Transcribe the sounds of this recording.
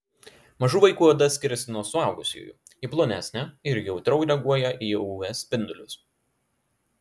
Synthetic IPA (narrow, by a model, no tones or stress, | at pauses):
mɐʒuːʋɐɪkuːɐd̪ɐsʲkʲɪɾʲɛsʲɪnuɔsʊɑˑʊɡʊsʲjṵːjṵː | iplˠoːnʲæsʲnʲɛɪɾjɛʊt̪ɾɐʊɾʲɛɡuɔjɛʔiːuɛsʲpʲɪnd̪ʊlʲʊs